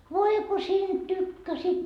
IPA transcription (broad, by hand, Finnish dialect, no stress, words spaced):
ʋoi ko siːnd̥ tykːæsiːt